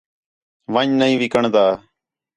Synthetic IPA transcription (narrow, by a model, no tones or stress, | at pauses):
ʋəɲnəĩːʋɪkəɳd̪aː